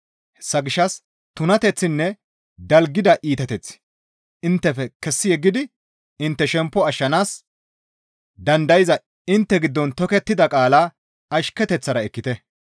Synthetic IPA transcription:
hɛ̥sːɐɡɪʃːɐs | t̪ʊnɐt̪ɛt͡sːɪnːɛ | d̪ɐlɡːɪd̪ɐʔiːt̪ɛt̪ɛt͡sːɪ̥ | ɪnt̪ːɛfɛkɛsːɪjɛɡːɪd̪ɪ | ɪnt̪ːɛʃɛmpːɔɐʃːɐnaːs | d̪ɐnd̪ɐjɪzɐ | ɪnt̪ːɛɡɪd̪ːɔnt̪ɔkɛt̪ːɪd̪ɐkʼaːlaː | ɐʃkɛt̪ɛt͡sːɐɾɐɛkːɪt̪ɛ

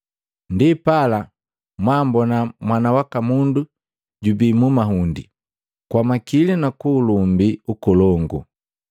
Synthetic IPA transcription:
ndipala | mwambɔnamwanawakamundu | ɟubimumaɦundḭ | kwamakilinakuːlumbiukɔlɔŋɡṵ

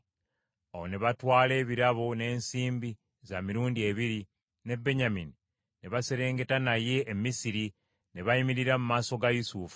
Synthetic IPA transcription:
awo̞neβatwaːle̞ːβiɾaβone̞ːnsiːmbi | zamiɾuːndie̞βiɾi | ne̞be̞ɲamini | neβase̞ɾe̞ːŋɡe̞tanaje̞ʔːmisiɾi | neβaimiɾiɾamumaːso̞ɡajusuːfu̥

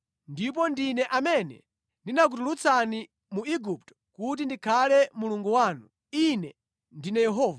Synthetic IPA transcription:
ndip̬ɔndinɛʔamɛnɛ̰ | ndinak̬ut̬ulut͡sʰani | muiɡup̚tɔ̥kut̬indikʰalɛmuluŋɡuwaːnu | inɛ | ndinɛjɛɦɔːva

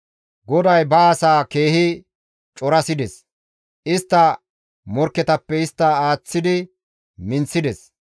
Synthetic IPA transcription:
ɡɔd̪ɐjbɐːsaːke̞ːhɪ | t͡ʃʼɔɾɐsɪd̪ɛs | ʔɪst̪ːɐ | mɔɾkːɛt̪ɐpːɛɪst̪ːɐaːt͡sːɪd̪ɪ | mɪnt͡sːɪd̪ɛs

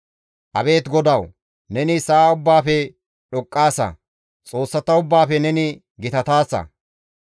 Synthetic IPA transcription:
ʔɐbe̞ːt̪ɡɔd̪ɐw | nɛnɪsaːʊbːaːfɛ | ɗɔkʼːaːsɐ̰ | t͡sʼo̞ːsːɐt̪ːɐʊbːaːfɛnɛnɪ | ɡɪt̪ɐt̪aːsːɐ̰

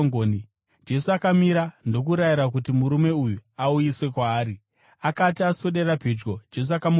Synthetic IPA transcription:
ŋoːni | d͡ʒe̞suakamiɾando̞k̬uɾajiɾak̬utimuɾume̞ujuaujiswe̞kwaːɾi | akatiasoɗe̞ɾapid͡ʒɡo̞d͡ʒe̞s̬uakamu

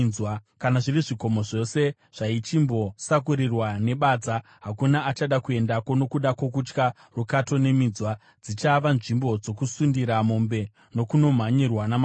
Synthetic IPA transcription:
wakanaʐiriʐiko̞mo̞ʐo̞se̞ | ʐ̥ait͡ʃimbo̞sakuɾirwane̞ɓaːd͡za | ɦakunaːt͡ʃaɗakue̞ndako̞no̞kuɗako̞kut͡ʃka | rukato̞ne̞miːd͡zwa | d͡zit͡ʃaʋanʐimbo̞d͡zo̞kusundiɾamombe̞ | no̞kuno̞m̤aɲirwanam

